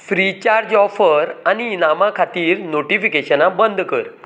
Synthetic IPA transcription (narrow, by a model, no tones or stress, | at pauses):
fɾit͡ɕaɾd͡ʑɔfəɾaninamãkʰat̪iːɾnoʈifikeɕənãbənd̪ʱkəɾ